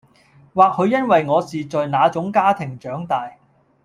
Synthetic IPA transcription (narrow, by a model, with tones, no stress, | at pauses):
waː˨k̚hɵ˨˧ɥjɐ˥nwɐ˨jŋɔː˨˧siː˨t͡sɔ˨ɥnaː˨˧t͡sʊ˨˥ŋkaː˥t̪ʰɪ˨˩ŋt͡ʃœː˨˥ŋt̪aː˨j